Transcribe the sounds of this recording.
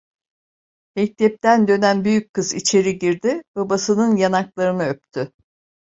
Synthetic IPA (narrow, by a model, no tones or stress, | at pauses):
mɛc̚t̪ʰɛp̚t̪ænd̪ø̞nænbyjyc̚kʰːɯzit͡ʃʰe̞ɾiɟiɾd̪ɪbabasɯnɯnjanaklˠaɾɯnɯøpt̪ʰʏ